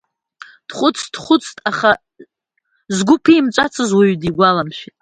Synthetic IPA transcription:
d̥χʷʊt͡sʰʼd̥χʷʊt͡sʰʼtʼaχa | zɡʷʊpʰiːmt͡ʃʷʼat͡sʰɨzwaɥdiɡʷalamʃᶣitʼ

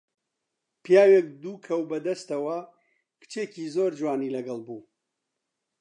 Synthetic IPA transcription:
pʰjaːwek̚d̪uːkʰɐwbɐd̪ɐst̪ɐwɐ | kɨ̥t͡ʃʰeːcizoːɾd͡ʒwaːnilɐɡɐlˠbuː

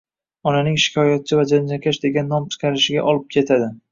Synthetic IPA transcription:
ɒnanɪŋʃɪ̥kʲʰɒjat̪̚t͡ʃʰɪvad͡ʒand͡ʒakʲʰaʃd̪e̞ɡʲanːɒmt͡ʃʰɪ̥qʰɑɾɪʃɪɡʲa̰ʔɒlˠɪp̚kʲʰe̞t̪ʰad̪ɪ

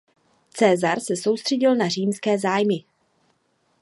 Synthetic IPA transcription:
t͡sɛːzaɾsɛsowst̪r̝̥ɛɟɪlnariːmskɛːzaːjmɪ

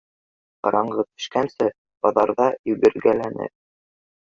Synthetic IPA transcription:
qɑ̰ɾɑɴɢɤt̪ɵ̥̆ʃkænsɘ | bɒðɑɾðɑɵ̆ɡɘ̆ɾɡælænɘ̰

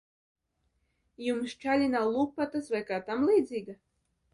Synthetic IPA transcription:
jumst͡ʃalʲinawlˠuːk̚pat̪asvajkaːt̪amlˠiːd̪zʲiːɡa

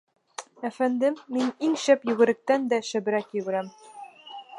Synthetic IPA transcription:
æfænd̪ɘːiniŋɕæpjɵ̆ɡɘ̆ɾɘ̆k̚t̪ænd̪æʃɘ̆bɘ̆ɾækjɘ̆ɡɘ̆ɾæm

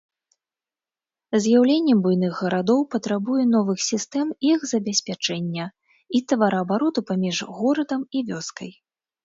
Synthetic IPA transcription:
zʲjawlʲenʲːɛmbujnɨɣɣɐɾad̪ɔwpɐt̪ɾabujɛnɔvɨxsʲist̪ɛmixzɐbʲasʲpʲat͡ʂɛnʲːɐ | it̪ɐvaɾɐɐbaɾɔt̪upamʲiʐɣɔɾɐd̪ɐmivʲɔskɐj

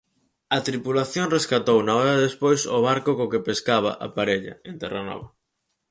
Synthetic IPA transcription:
ɐt̪ɾipulaθjoŋreskat̪ownaɔɾaðespojsʊβ̞aɾkʊkokepeskaβa̰ʔapaɾeʎɐ̰ent̪ɛra̰nɔ̰βɐ

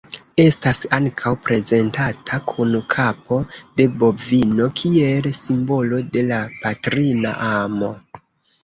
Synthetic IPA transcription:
e̞stasaŋkʰawpɾe̞ze̞ntatʰakʰunkʰapo̞de̞bo̞vino̞kʰie̞lsimbo̞lo̞de̞lapatɾina̰ʔamo̞̰

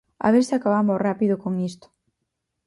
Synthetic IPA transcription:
a̰βeɾsɪakaβamorapiðokoŋist̪o̥

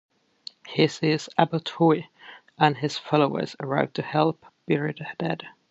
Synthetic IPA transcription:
hɪsɪz̥æbəlˠtʰɔɪ | ʔə̃nɪz̥fɑloʊə̰z̥əɹaɪvtʰɨhɛlˠpb̥ɪɹiddɛd̥

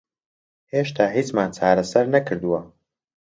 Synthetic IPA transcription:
heːʃt̪ʰaːɦiːt͡ʃmaːnt͡ʃʰaːɾɐsɐɾnɐkʰɨɾd̪uwɐ

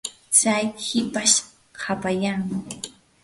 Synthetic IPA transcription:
t͡ʃajhɪpaʃ | hʰapajaŋ

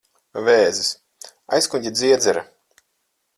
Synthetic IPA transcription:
vɛːzis | a̰jskuɲʲɟʲid̪zʲiɛd̪zɛɾa̰

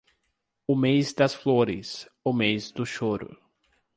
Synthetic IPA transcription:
ʊmejzd̪ɐsfloɾɪ̰sʊmejzd̪ʊʃoɾʊ̰

